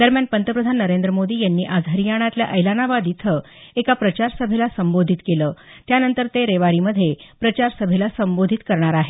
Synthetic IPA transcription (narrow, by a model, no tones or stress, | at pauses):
d̪əɾmjanpənt̪əpɾəd̪ʱanːəɾend̪ɾəmod̪iːjanːiːʔad͡zʱəɾijaɽ̃at̪lja̰ʔəjlanaʋad̪it̪ʰə | ekapɾət͡ɕaɾsəbʱelasəmbod̪ʱit̪keləː | t̪janənt̪əɾt̪eɾeʋaɾiməd̪ʱːjepɾət͡ɕaɾsəbʱelasəmbod̪ʱit̪kəɾɳ̃aɾaɦe